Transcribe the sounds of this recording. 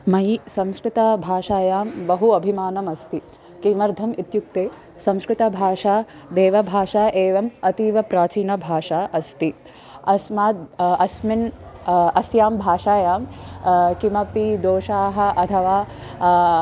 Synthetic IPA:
mɐjsɐmskɾɪt̪ɐbʱaːʂaːjaːmbɐɦuɐbʱimaːnɐmɐst̪i | kiːmɐɾd̪ʱɐmit̪juk̚t̪eː | sɐ̃mskɾɪt̪ɐbʱaːʂaː | d̪eːʋɐbʱaːʃaːʔeːʋɐmɐt̪iːʋɐpɾaːt͡ʃiːnɐbʱaːʂaːʔɐst̪i | ɐsmaːt̪̚ɐsmin | ɐsjaːmbʱaːʂaːjaːmkimɐpid̪oːʃaːɦɐ̆ʔɐt̪ʰɐʋaː

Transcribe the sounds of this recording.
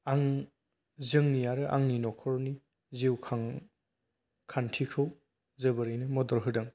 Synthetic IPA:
aŋ | zɯŋnijaɾɯʔa̰ŋninɔkʰɔɾni | ziwkʰaŋ | kʰantʰikʰɯw | zɯbɯɾɯjnɯmɔdɔɾɦɯdɯŋ

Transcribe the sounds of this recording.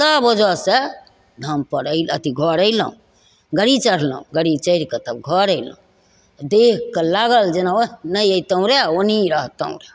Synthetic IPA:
səbod͡ʒəse | d̪ʱəmpəɾəɪlət̪iɡʱɔɾəɪlə̰ũ | ɡəɽit͡ʃəɽ̤lə̰ũɡəɽit͡ʃəɪɾkət̪əbɡʱɔɾəɪlə̰ũ | d̪ekːəlaɡəld͡ʒenaonəjəjt̪əũɾeoniɾəɦt̪ə̰ũɾe

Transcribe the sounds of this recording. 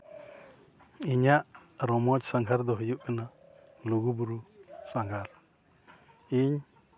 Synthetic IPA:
iɲaʔɾɔmɔt͡ʃsaŋɡʱaɾd̪ɔɦujup̚kana | luɡubuɾusaŋɡʱaɾ | iɲ

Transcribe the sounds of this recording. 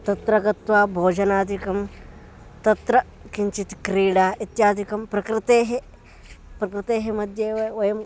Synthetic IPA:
t̪ɐt̪ɾɐɡɐt̪ʋaːbʱoːd͡ʒɐnaːd̪ikɐm | t̪ɐt̪ɾɐ | kiɲt͡ʃit̪i̥kɾiːɽaːʔit̪jaːd̪ikɐmpɾɐkɾɪt̪eːɦe | pɾɐkɾɪt̪eːɦemɐd̪ʱjeːɐʋɐjɐm

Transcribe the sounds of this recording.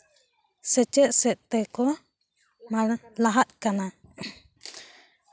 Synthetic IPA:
sət͡ʃəʔsɛʔt̪ɛkɔ | maɾlaɦat̪̚kana

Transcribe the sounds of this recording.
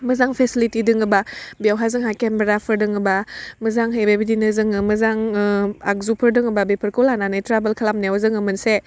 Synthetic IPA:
məzaŋpʰesilitidɯŋɯbabiawɦazɯŋɦakembeɾapʰɯɾdɯŋɯbamɯzaŋɦejbebidinɯzɯŋɯmɯzaŋa̰k̚zupʰɯɾdɯŋɯbabipʰəɾkɔlananajtɾabəlkʰalamnewzɯŋɯmɯnse

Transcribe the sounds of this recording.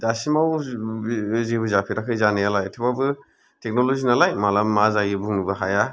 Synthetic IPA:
dasimaw | zebɯzapʰiɾakʰɯjzanijalajtʰibabɯ | tek̚nɔlozinalajmalamːazaɡibuŋnubɯɦaja

